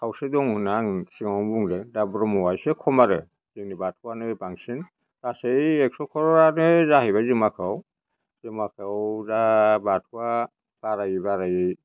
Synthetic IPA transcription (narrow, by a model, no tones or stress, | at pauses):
kʰawsedɔŋhunaŋsiŋabuŋdɛdabɾɔmɔwajsɛkʰɔmaɾɯ | zinibat̚ʰuanɯbaŋsin | ɾasejɛksɔkʰɔɾɔɾanɯzaɦiβazɯmakʰaw | zɯmakʰawzabat̚ʰua | b̥aɾajibaɾaji